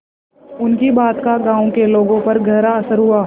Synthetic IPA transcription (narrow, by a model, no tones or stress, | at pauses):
ʊnkibaːt̪kaɡãːõkeloːɡõpɐɾɡʱɐɦɾaɐsəɾɦʊaː